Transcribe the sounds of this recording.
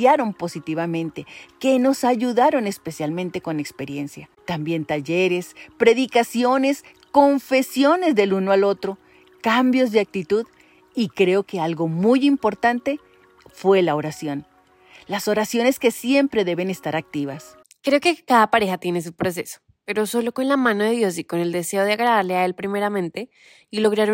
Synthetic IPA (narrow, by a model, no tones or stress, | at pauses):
aɾo̞mpo̞sit̪iβamẽnt̪e̞ke̞no̞saʝuðaɾo̞ne̞spe̞sjalmẽ̞nt̪e̞ko̞ne̞kspe̞ɾje̞nsjat̪ambje̞nt̪aʝe̞ɾe̞spɾe̞ðikasjo̞ne̞s | ko̞ɱfe̞sjo̞ne̞zðe̞lunoalo̞t̪ɾo̞ | kambjo̞zðeak̚t̪it̪uð | ikɾe̞o̞ke̞alɣo̞mujimpo̞ɾt̪ant̪e̞ | fwe̞lao̞ɾasjo̞n | laso̞ɾasjo̞ne̞ske̞sje̞mpɾe̞ðe̞βe̞ne̞st̪aɾak̚t̪iβas | kɾe̞oke̞kaðapaɾe̞xat̪je̞nes̬upɾo̞s̬e̞so̥ | pe̞ɾo̞so̞lo̞ko̞nlamãnoðe̞ðjo̞s̬iko̞ne̞ld̪e̞se̞o̞ðeaɣɾaðaɾleae̞lpɾime̞ɾamẽnt̪e̞ | ilo̞ɣɾaɾ